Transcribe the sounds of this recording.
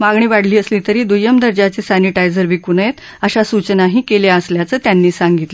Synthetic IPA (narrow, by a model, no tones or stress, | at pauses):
maɡɳiːʋaɽ̤liːəsliːt̪əɾiːd̪ujəmd̪əɾd͡ʑat͡sesaniʈajd͡zəɾʋikunjet̪ | əɕasut͡ɕənaɦiːkeljaəsljat͡səːt̪janːiːsaŋɡit̪lə